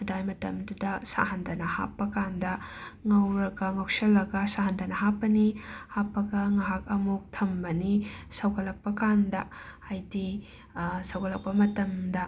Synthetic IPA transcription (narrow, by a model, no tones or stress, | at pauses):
ɐdajmɐtɐ̰mdudɐsa̰ɦɐndɐnɐha̰pːɐkandɐŋɐwɾɐɡɐŋɐwsɐlːɐɡɐsahɐndɐnɐɦapːɐnihapːɐɡɐŋɐɦak̚ɐmuk̚tʰɐmbɐnisɐwɡɐlɐk̚pɐkandɐ | ajti | sɐwɡɐlɐk̚pɐmɐtɐmdɐ